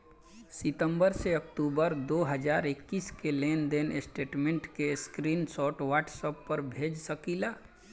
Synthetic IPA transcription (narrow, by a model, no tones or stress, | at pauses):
sɪt̪ə̃mbəɾseəkʈuːbəɾd̪oːɦəd͡ʒaːɾɪkːiːskeleːnd̪eːnɪsʈeːʈmẽɳʈkeskɾiːnsɔːʈwaːʈsəpːəɾbʱeːd͡ʒsəkiːlaː